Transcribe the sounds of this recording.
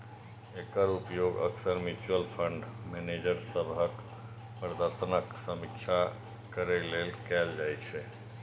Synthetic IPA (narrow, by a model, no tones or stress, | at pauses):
ekəɾupjoɡə̰ksəɾmjut͡ʃuəlpʰəɳɖmened͡ʒəɾsəbʱək | pɾəd̪əɾsənəksəmikt͡ʃʰa | kəɾɛlelkɛld͡ʒajt͡ʃʰɛ